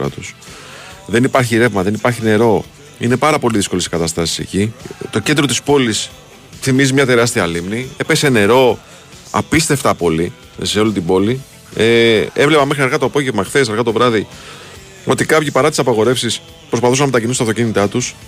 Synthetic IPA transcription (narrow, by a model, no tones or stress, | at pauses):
ɐ̰t̪us | ðe̞nipɐɾçiɾe̞vmɐðe̞nipɐɾçine̞ɾo̞ | ḭne̞pɐɾɐpo̞liðiskolesi̥kɐt̪ɐst̪ɐsi̥sḛcit̪ocnd̪ɾo̞t̪ispo̞lis | θimizimɲɐt̪e̞ɾɐst̪iɐːlimniepese̞ne̞ɾo̞ | ɐ̰pist̪e̞ft̪ɐpo̞li | se̞olit̪ibo̞li | ee̞vle̞pɐmexɾiɐɾɣɐt̪oɐpo̞ʝevmɐxθeseɾɣɐt̪o̞vɾɐði | o̞t̪ikɐpʝipɐɾɐt̪i̥sɐpɐɣo̞ɾe̞fsis | pɾos̬pɐθus̬ɐnɐmt̪ɐcinisuɐft̪ocinit̪ɐt̪us